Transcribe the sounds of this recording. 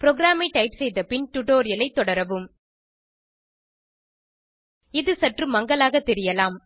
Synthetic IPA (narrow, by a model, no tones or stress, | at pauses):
pɪɾɔɣɾaːmɐɪʈɐɪpsɛjðɐpɪɳʈʊʈoːɾɪjɐlɐɪt̪ːɔɽɐɾɐʋɯm | ɪðɯsɐʈrɯmːɐŋɡɐɭaːɣɐt̪ːɛɾɪjɐlaːm